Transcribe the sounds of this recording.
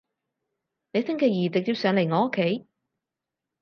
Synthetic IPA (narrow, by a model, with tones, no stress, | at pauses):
ne˨˧jsɪ˥ŋkɛː˧jiː˨˩t͡sɪ˨k̚t̪iː˧wsœː˨˧ŋle˨˩jŋɔː˨˥o˥kʰːe˨˥j